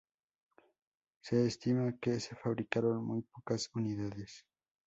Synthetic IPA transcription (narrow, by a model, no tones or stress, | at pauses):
se̞ːst̪imakesefaβɾikaɾonmujpokasuniðaðes